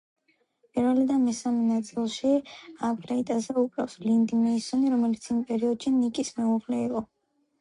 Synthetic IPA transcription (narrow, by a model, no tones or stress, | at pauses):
pʼiɾvɛlid̪anmɛsamɛnat̪sʼilˠʃiapʰɾait̪ʼazɛupʼɾafslind̪imɛisɔniɾɔmɛlit̪sʰimpʼɛɾiɔd̪ʃinikʼismɛuʁlɛiqʼɔ